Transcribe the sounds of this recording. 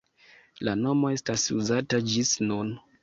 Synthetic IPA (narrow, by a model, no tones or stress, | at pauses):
lano̞mo̞e̞stasuzatad͡ʒisnun